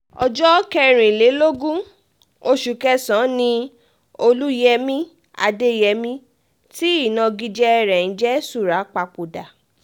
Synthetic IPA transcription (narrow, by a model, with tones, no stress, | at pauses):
ɔ̰˨d͡ʒɔ˦kɛ˦˧ɾ̃ĩ˨le˨˦lo˦ɡũ˦ | o˧ʃu˨kɛ˧sã˨˦nĩ˧ | o˧lu˦jɛ˧mĩ˦ | a̰˧de˦jɛ˧mĩ˧ | ti˦i˦˨nã˧ɡi˧d͡ʒɛ˧ɛ˧ɾɛ˨n̩˨˦d͡ʒɛ˦su˦˨ɾa˨˦k͡pa˧k͡po˨da˨